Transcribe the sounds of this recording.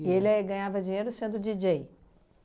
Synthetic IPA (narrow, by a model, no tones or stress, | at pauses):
ɪelɛɡɐ̃ɲavɐd͡ʒiɲejɾʊsẽnd̪ʊd͡ʒid͡ʒej